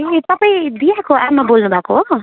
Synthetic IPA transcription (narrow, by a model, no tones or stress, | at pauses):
et̪ʌpaĩd̪ijakoamabolnubʱakoɦo